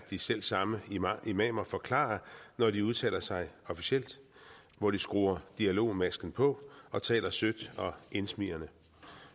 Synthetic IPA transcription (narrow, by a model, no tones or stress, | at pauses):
d̥isel̰sɑ̈məiimɛːmɐfɒ̽kʰlɑ̰̈ɐnɒdiuð̞ˠt͡sʰɛ̰ːlɐsɑ̈ɪɒ̽fi̥siel̰d̥ | ʋɒd̥isɡ̥ʁuːɐd̥iælo̝̰ːmæsɡ̥n̩pʰɒ̽ɒ̽t͡sʰɛ̰ːlɐsød̥ɒ̽ʔe̝nsmḭɐnə